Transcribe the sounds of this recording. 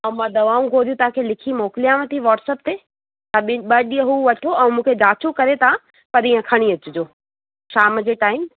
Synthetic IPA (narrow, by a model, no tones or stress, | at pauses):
ɐ̃mãd̪ɐʋaːũɡʱoːɾijũt̪ɐãkʰelɪkʰimoːkɪlijãʋə̃t̪ʰiʋaːʈsəp̚t̪eː | t̪ɐɓɪɓɐɗiəɦuʋɐʈʰoɛ̃ːmũːkʰed͡ʑaːt͡ɕʰukɐɾet̪ʰa | pɐɾijə̃kʰɐɽ̃iɐt͡ɕʊd͡ʑoː | ʃaːmd͡ʑeːʈaːɪm